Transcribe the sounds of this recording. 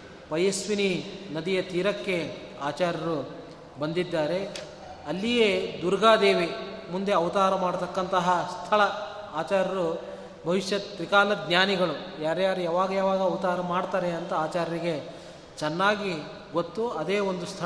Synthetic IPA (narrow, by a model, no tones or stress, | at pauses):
pɐjesʋininɐd̪ijɐt̪iːɾɐkːe̞aːt͡ʃaːɾjɐɾu | bɐnd̪id̪ːaːɾe̞ | ɐlːijeːd̪uɾɡaːd̪e̞ːʋimund̪eɐʋɐt̪aːɾɐmaːɽt̪ɐkːɐnt̪ɐɦɐst̪ʰɐɭɐ | aːt͡ʃaːɾjɐɾu | bʱɐʋiʃjɐt̪ɾikaːlɐd̪njaːniɡɐɭujaːɾjaːɾujaːʋaːɡɐjaːʋaːɡɐɐʋɐt̪aːɾɐmaːɽt̪aːɾeɐnt̪ɐaːt͡ʃaːɾjɐɾiɡe̞ | t͡ʃɛnːaːɡi | ɡo̞t̪ːuɐd̪eːo̞nd̪ust̪ʰɐ